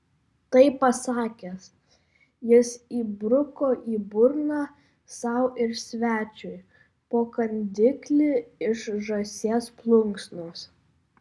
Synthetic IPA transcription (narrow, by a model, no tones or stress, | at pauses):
t̪ɐɪpːɐsɑːkʲes | jɪsiːbɾʊkoːʔiːbʊɾnɑː | sɐʊʔɪɾsʲʋʲæːt͡ʃʲʊɪ | poːkɐnʲd̪ʲɪklʲɪɪʃʒɐsʲeːsplˠʊŋksnoːs